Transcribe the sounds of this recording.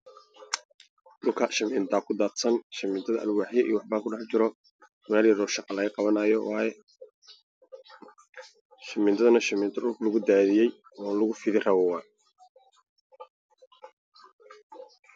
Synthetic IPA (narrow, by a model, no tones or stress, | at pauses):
ʔʊlkʰɐʃɐmɪnt̪ʰaːkʰʊd̪aːt̪sɐnʃɐmɪnt̪ʰɐðɐʔɐ̰lwɑħjɛʔiːwɑħbaːkʰʊɖɑħt͡ʃɪɾɔ | waːljɛɾɔːʃɑqʼɑlɐɣɐqɑβɐnajɔwaːjɛ | ʃɐmɪnt̪ʰɐðɐnɐʃɐmɪːnt̪ʰɐɗʊlkʰlɐɣʊd̪aːðɪjɛj | ɔːlʊɣʊfɪðɪrɐβɔwɑ